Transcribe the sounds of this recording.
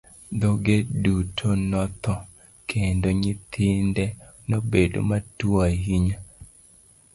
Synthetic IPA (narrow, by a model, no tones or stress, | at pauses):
d̪oɡedutʰonɔt̪ɔ | kʰendoɲɪt̪ʰɪndɛ | nobedo̰matuaɦiɲa